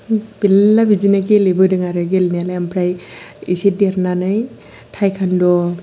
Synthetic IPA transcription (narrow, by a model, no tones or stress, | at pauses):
b̥ilːabid͡ʒinakelebɯdɯŋaɾɯɡelnalajampʰɾajḭsideɾnanɯj | tʰajkʰandɔ